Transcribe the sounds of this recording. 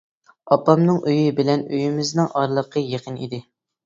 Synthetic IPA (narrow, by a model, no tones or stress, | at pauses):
ɑpːɑmnɨŋʔøjɪbɪlɛnøjimɪznɨŋʔɑɾlˠəqʰəjeqʰənḭd̪ɪ